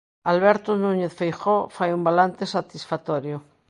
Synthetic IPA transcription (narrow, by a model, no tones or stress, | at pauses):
alβɛɾt̪onuɲeθfejxofajumbalant̪esat̪isfat̪oɾjo